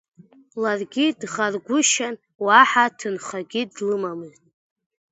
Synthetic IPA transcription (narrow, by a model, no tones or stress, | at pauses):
larɡʲidʁarɡʷʊʃan | waħatʰɨnχaɡʲidlɨmamɨztʼ